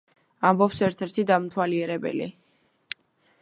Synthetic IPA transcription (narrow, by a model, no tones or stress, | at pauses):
ambɔpsɛɾt̪ʰɛɾt̪ʰid̪amt̪ʰwaliɛɾɛbɛ̰lḭ